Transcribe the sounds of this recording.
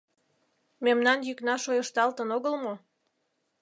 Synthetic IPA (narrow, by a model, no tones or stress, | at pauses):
memnɑnjyknɑʃojəʃt̪ɑlt̪ənoɣəlmo